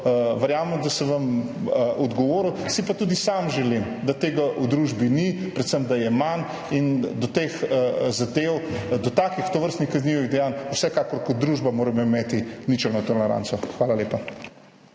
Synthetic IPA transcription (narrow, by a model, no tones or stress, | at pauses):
ʋɛɾjaːməmd̪asɛʋɐməʔɔd̪ɡɔʋoːɾusipat̪uːd̪isamʒɛlimd̪at̪eːɡaʔud̪ɾuːʒbinipɾɛt̪səmd̪ajɛman | ind̪ɔt̪eːxəzad̪ewd̪ɔt̪aːkixt̪oʋəɾst̪nixkɐzniʋid̪ɛjanusɛkaːkɔɾkɔt̪̚d̪ɾuːʒbamoːɾɛmɔimeːt̪init͡ʃɛnɔt̪olɛɾa̰nsɔxʋaːlaleːpa